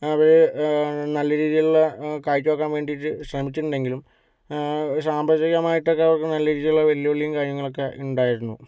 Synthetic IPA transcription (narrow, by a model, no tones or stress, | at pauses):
ɐʋɐɾenɐlːɐɾiːðijiluɭːɐkaːjkʲːʋoːkːaːnʋe̞ːɳɖijiʈːɨɕrɐmit͡ɕːuʈːuɳɖe̞ŋɡilum | saːmbrɐd͡ʑɐɣɐmaːjiʈːokːeɐʋɐrkɨnɐlːɐɾiːðijuɭːɐʋɐlijɐʋɐɭːijumkaːɾjɐŋːɐɭo̞kːe̞uɳɖaːjiɾunːṵ